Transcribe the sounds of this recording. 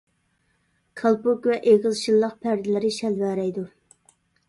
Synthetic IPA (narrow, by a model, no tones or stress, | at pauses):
kʰɑlˠpukʲvɛʔeʁəlˠʃilˠːəq̚pʰæɾd̪ɪlɪɾɪʃɛlvæɾɛjd̪u